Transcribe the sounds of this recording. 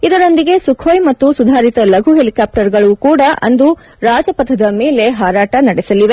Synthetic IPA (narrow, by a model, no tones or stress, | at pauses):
id̪ɐɾo̞nd̪iɡe̞sukʰoːjmɐt̪ːusud̪ʱaːɾit̪ɐlɐɡʱuɦelikaːp̚ʈɐɾɡɐɭukuːɽɐʔɐ̰nd̪u | ɾaːd͡ʒɐpɐd̪ʰɐd̪ɐmeːle̞ɦaːɾaːʈɐnɐɽesɐliʋe